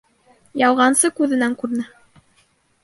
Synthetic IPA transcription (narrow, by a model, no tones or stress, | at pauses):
jɑwʁɑnsɤkʉðɘ̆næŋkʉɾnɘ